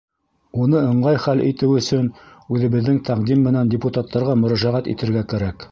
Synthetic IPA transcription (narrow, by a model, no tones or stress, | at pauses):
unɤɤ̆ɴɢɑjχælʔḭt̪ɘwɵ̆sɵn | ʉðɘ̆βɘ̆ðːɘŋt̪ʰæqd̪imːɘ̆nændʲɪput̪at̪ːɑɾʁɑmɵ̆ɾæʒæʁæt̪ḭt̪ɘ̆ɾɡækæɾæk